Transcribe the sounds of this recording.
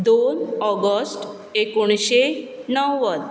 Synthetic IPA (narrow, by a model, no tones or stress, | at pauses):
d̪onɔɡəsʈ | ekoɽ̃ɕenəwʋəd̪